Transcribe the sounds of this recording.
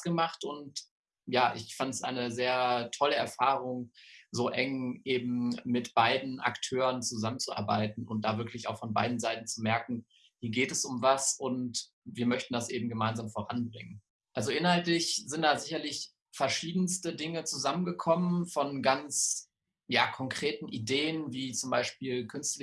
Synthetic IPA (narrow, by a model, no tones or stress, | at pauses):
ɡ̥əmaχtʊnt | jaːʔɪçfantsʔa̰ɪnəzeːɐtʰɔləɛɐfaːʁʊŋzoːʔɛŋʔeːbm̩mɪtb̥aɪdn̩ʔa̰ktʰøːʁənt͡suzamənt͡suʔa̰ɐba̰ɪtn̩ʊ̰nt̚d̥aːvɪɐklɪça̰ʊxfɔnba̰ɪdn̩zaɪtn̩t͡sumɛɐkŋ̩ | hiːɐɡeːtɛsʊmvasʔʊnt | viːɐmœçtn̩d̥asʔeːbm̩ɡəmaɪnzaːmfoːʁanbʁɪŋən | ʔalzoʔɪnhaltlɪçz̥ɪnt̚d̥aːzɪçɐlɪç | fɛɐʃiːdn̩stədɪŋət͡suzamənɡəkʰɔmənfɔnɡant͡s | jaːkʰɔŋkʁ̥eːtn̩ʔideːənviːt͡sʊmbaɪʃpiːlkʰʏnstlɪ